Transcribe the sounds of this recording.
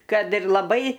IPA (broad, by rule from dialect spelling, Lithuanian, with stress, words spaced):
ˈkɐt ɪr lˠɐˈbɐɪ